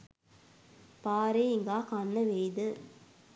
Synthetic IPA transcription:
paːɾeːiŋɡaːkanːɐʋejd̪ɯ

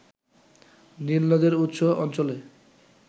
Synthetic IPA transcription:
nilnod̪eɾut̪ːʃoɔnt͡ɕole

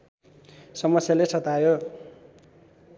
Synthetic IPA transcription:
sʌmʌsjalesʌt̪ajo

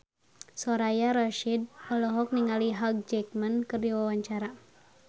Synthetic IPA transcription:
sɔɾajaɾaʃid̚ɔlɔɦɔk̚niŋaliɦaɡ̚d͡ʒɛk̚mankɨrdiwawaɲt͡ʃaɾa

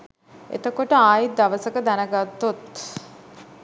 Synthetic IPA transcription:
ḛt̪əkoʈəaːjid̪aʋəsəkəd̪ænəɡat̪ːot̪

